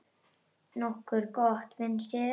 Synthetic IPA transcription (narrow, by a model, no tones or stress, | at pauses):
nɔhkʏɾkɔht̪vɪnsɪ